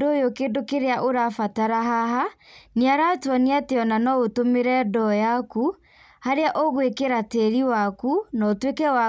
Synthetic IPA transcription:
dojokendokeɾeaʔoɾafataɾaɦaɦaneaɾatwɔneateɔnanɔotomeɾɛdɔjaku | haɾeaʔɔɣwekeɾateɾiwakunɔotwekɛwa

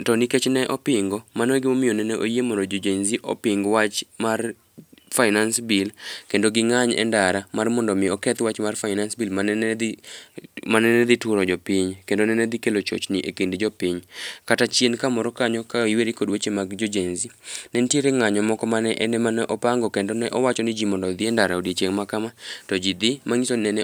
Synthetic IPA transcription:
tɔniket͡ʃnɛʔɔpɪŋɡɔmanɔɡɪmomɪjonɛnɛʔojemɔndod͡ʒod͡ʒenziʔɔ̰pɪŋɡwat͡ʃmar | faɪnansbɪlkendoɡɪŋaɲɛ̰ndaɾamarmɔndɔmɪjɔkɛt̪wat͡ʃmarfaɪnansbilmanɛd | manɛnɛd̪itʊɾɔd͡ʒɔpiɲkendonɛnɛd̪ɪkelot͡ʃo̰t͡ʃnɪʔekendd͡ʒɔpɪɲkatat͡ʃjenkamɔɾɔkaɲɔkaiweɾikodwet͡ʃemaɡd͡ʒod͡ʒenzinɛntjeɾeŋaɲɔmɔkɔmanɛʔɛnɛmanɛʔɔpaŋɡɔkendonɛʔɔwat͡ʃɔnɪd͡ʒimɔndɔd̪ɪɛndaɾaodjet͡ʃeŋmakamatɔd͡ʒid̪ɪmaŋisonɛnɛ

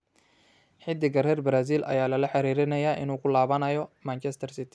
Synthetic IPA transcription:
ħɪd̪ːɪɡɐɾɛːrbɾaːs̬iːlʔɐ̰jaːlɐlɐħɑɾiːɾɪnɐjaːʔɪ̰nuːkʰʊlaːβɐnɐjɔmaːnt͡ʃʰɛst̪ʰɐrsɪt̪ʰɪ

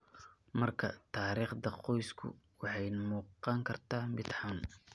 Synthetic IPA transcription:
mɐrkʰɐ̰t̪ʰaːɾiːχd̪ɐqɔjskʰʊ̰ | wɑħɑjmuːqɑŋkʰɐrt̪ʰaːmɪd̪ħɑn

